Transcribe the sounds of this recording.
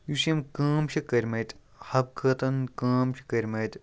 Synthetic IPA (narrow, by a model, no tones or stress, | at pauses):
jusɐmkɐːmʃʰikɐɾʲmɐt̪ʲ | hɐb̚kʰɐt̪ɐnkaːmʃʰi̥kɐɾʲmɐt̪ʲ